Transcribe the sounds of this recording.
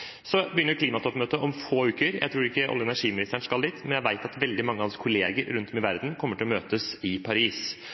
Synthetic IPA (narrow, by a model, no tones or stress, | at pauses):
sɔbəjʏnəɾkʰliːmɑt̪ʰɔpːmøːt̪əʔɔmfoːʉːkəɾjʔæ̰t̪ʰɾuːɾɪkːəɑ̰ləɛnæʂiːmɪnɪst̪əɳskɑld̪ɪt̪mɛnjæɪʋæɪt̪ɑt̪ʋɛld̪ɪmɑŋːəhɑnsə̥kʰʊleːɡəɾɾʉnt̪ʰɔmɪʋæɾd̪n̩kʰɔmːəʈʰɪlɔmøːt̪əsɪpʰɑɾiːs